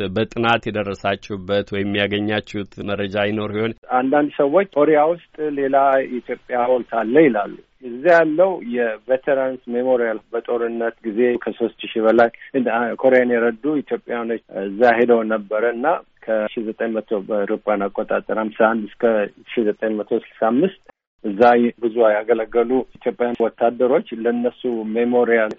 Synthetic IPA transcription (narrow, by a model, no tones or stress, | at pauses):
bət̪ʼɨnat̪jɛd̪ərːəsat͡ʃːɛubːət̪wɔjɪmːijaɡəɲːat͡ʃːɛut̪mərːəd͡ʒajɪno̞ɾsiho̞nand̪and̪səwːo̞t͡ʃːkʰo̞ɾejawʊst̪ʼle̞lait̪jo̞pʼːjaholt̪ʰalːəjɪlalːu | ɨzːijalːəwjɛvet̪ʰeɾansmemoɾijalbət̪ʼo̞ɾɨnːət̪ɡize̞kʰəso̞st̪ʃiβəlajɨkʰo̞ɾejanjɛɾəd̪uit̪ʰjo̞pʼːjanot͡ʃːɨzːahe̞d̪əwnəbːəɾəɨnːakʰəʃizət̪ʼəɲmət̪ʰoəɾɨpʼanakʼːot̪ʼat̪ʼəɾamsaand̪ɨskʰə | ʃizət̪ʼəɲmət̪ʰo̞sɨlsamːɨst̪ʼ | ʔɨzːabɨzuwajaɡələɡːəlut̪ʰjo̞pʼːjawɔt̪ʰːad̪ːəɾo̞t͡ʃːləɨnːəsumemo̞ɾijal